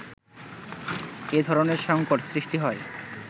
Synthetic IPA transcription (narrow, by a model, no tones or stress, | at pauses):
ed̪ʱɔɾoneɾʃɔŋkoʈsɾiʃʈiɦɔe